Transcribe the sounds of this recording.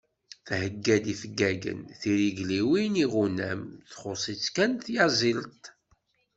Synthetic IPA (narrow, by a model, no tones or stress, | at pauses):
θhəɡːæd̪ifəɡːæɡə̰nθiɾiɡliwiniʁunæ̰mθχosˤit͡sːkænθjazˤilt̪ˤ